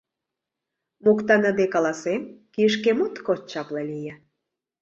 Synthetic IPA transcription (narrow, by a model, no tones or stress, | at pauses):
mokt̪ɑnə̆d̪ekɑlɑsemkiəʃ̬kemut̪kot̪t͡ɕɑplɑlijə